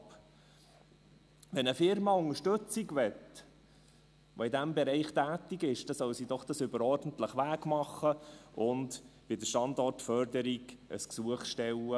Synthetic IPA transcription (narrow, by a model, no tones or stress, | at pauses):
p | ʋɛnəfɪɾmɑʊŋəʃtɵt͡siɡʋɛt | ʋoidæmbɛɾɛɪχt̪æːt̪iɡɪʃd̥ɑsœwsid̪ɔχd̥ɑsʏbəɾɔrdən̩t̪ləχʋæːɡmɑχəʔʊndʋidəʃtɑnd̪ɔrtfœrdəɾiɡʔə̰sksuəχʃtɛlə